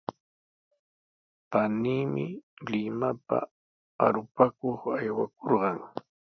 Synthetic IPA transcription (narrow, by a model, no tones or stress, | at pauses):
paniːmɪlɪmapa̰ | aɾʊpakoχajwakoɾɢɑŋ